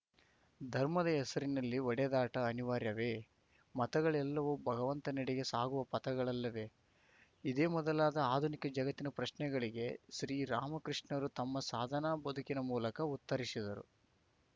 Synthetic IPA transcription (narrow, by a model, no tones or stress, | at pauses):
d̪ʱɐɾmɐd̪ɐɦɛsɐɾinɐlːiɔɽɛd̪aːʈɐːniʋaːɾjɐʋe̞ː | mɐt̪ɐɡɐɭɛlːɐʋubʱɐɡɐʋɐnt̪ɐniɽɛɡe̞saːɡuʋɐpɐt̪ɐɡɐɭɐlːɐʋe̞ː | id̪eːmɔd̪ɐlaːd̪ɐaːd̪ʱunikɐd͡ʒɐɡɐt̪ːinɐpɾɐʃnɛɡɐɭiɡe̞ʃɾiːɾaːmɐkɾiʂɳɐɾut̪ɐmːɐsaːd̪ʱɐnaːbɐd̪ʱukinɐmuːlɐkɐut̪ːɐɾisid̪ɐɾṵ